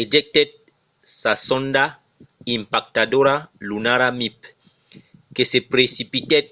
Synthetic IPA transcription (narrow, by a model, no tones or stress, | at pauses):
ed͡ʒɛk̚t̪ɛt̪̚ | sasɔ̃nda | ĩmpak̚tadoɾalunaɾamip | kesepɾesipit̪ɛt̚